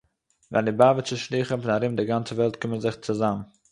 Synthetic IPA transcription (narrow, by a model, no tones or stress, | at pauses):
vɛ̰ndɪbavət͡sɪʃlˠiːχənfɪnaɾɪmdɪɡant͡səvɛlˠtkɪmənzɪχt͡sʊzam